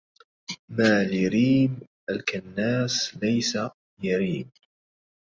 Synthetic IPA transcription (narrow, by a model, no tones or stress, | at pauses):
maːlɪɾiːmʔalkanːaːslajsa | jaɾiːm